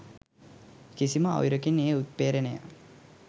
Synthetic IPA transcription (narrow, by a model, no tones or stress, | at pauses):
kisiməa̰wɾəkineːut̪̚peːɾənəja̰